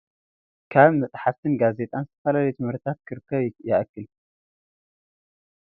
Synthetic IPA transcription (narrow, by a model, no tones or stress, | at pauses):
kʰaβmɐt͡s̪ʼħast̪ʰɨnɡaze̞t̪ʼanzɨt̪ʰɐfɐlalɐjut̪ʰɨmhɨɾt̪ʰat̪kʰɨɾɨkʰːɐβjaʔɐkːɨl